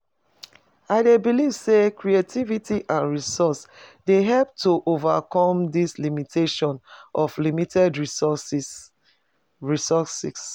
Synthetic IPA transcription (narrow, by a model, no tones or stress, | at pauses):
aɪdebiliv̥sekʰɹietʰivitʰiʔãnɹisɔsdeɦɛlp̚tʰuʔovakɔ̃mdislimitʰeʃɔ̃nʔɔflimitʰɛdɹisɔsis | ɹisɔsḭs